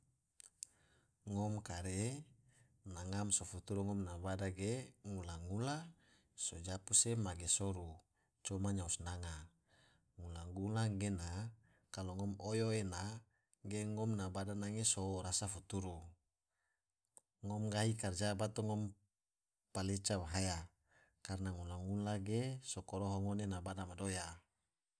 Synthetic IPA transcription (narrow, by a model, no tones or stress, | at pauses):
ŋɔmkaɾe | naŋamsofut̪uɾuŋɔmnabadaɡeŋulaŋula | sod͡ʒapusemaɡesɔɾu | t͡ʃɔmaɲausnaŋa | ŋulaŋɡulaŋɡena | kaloŋɔmojoena | ɡeŋɔmnabadanaŋesoɾasafut̪uɾu | ŋɔmɡaɦikard͡ʒabat̪oŋɔm | palet͡ʃawaɦaja | karnaŋulaŋulaɡesokoɾoɦoŋonenabadamadoja